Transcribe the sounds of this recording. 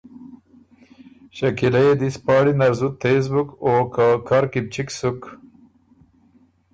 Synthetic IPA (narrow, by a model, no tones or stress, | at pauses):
ɕɐkilajd̪ispɑːɽinɐɾzut̪ːes̬bukoːkakʰaɾkib̚t͡ʃiksuk